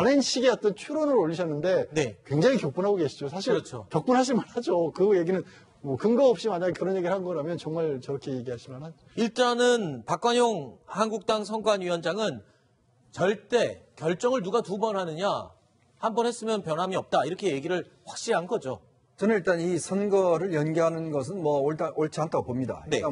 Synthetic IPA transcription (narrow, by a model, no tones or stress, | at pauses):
anenɕʰiɡiʌt̚t͈ʌnt͡ɕʰuɾonɯɾoʎːiɕʰʌnːɯnde̞ne̞kwe̞ŋd͡ʑaŋikjok̚p͈unɦaɡoɡe̞ɕʰid͡ʑosʰaɕʰiɾʌt͡ɕʰo̰kjʌk̚p͈unɦaɕ̬ʰimanhad͡ʑokɯje̞ɡinɯn | mʌkɯŋɡʌʌp̚ɕ͈imanakɯɾʌnje̞ɡiɾɭhanɯnɡʌɾamjʌnt͡ɕʌŋmaɭt͡ɕʌɾʌkʰe̞je̞ɡiɦaɕʰimanad͡ʑoiɭt͈anɯnpak͈̚waɲoŋhanɡuk̚t͈aŋsʰʌŋɡwaɲɥiwʌnd͡ʑaŋɯn | t͡ɕʌɭt͈e̞kjʌɭt͡ɕ͈ʌŋɯɭnuɡatubʌnɦanɯɲa̰ | hambʌnhe̞s͈ɯmjʌnpjʌnɦamiʌp̚t͈aiɾʌkʰe̞je̞ɡiɾɯɭ | ɸwak̚ɕ͈iɦanɡʌd͡ʑo | t͡ɕʌnɯniɭt͈anisʰʌnɡʌɾɯɭjʌnɡeɦanɯnɡʌs̬ʰɯnmwʌoɭtaoɭt͡ɕʰiantʰapomɲida̰ine̞a